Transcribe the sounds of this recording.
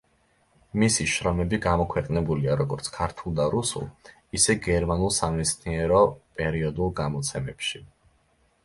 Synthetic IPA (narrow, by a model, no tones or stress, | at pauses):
misiʃɾɔmɛbiɡamɔkʰwɛqʼnɛbuliaɾɔɡɔɾt̪sʰkʰaɾt̪ʰulˠd̪aɾusṵlˠ | isɛɡɛɾmanulˠsamɛt̪sʰniɛɾɔpʼɛɾiɔd̪ulˠɡamɔt̪sʰɛmɛpʃi